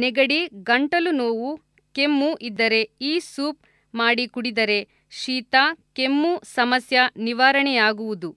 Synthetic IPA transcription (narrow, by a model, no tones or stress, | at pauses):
nɛɡɐɽiɡɐɳʈɐlunoːwu | kemːuʔid̪ːɐɾe̞iːsuːp̚ | maːɽikuɽid̪ɐɾe̞ | ʃiːt̪aːkemːusɐmɐsjɐniʋaːɾɐɳɛjaːɡuʋud̪u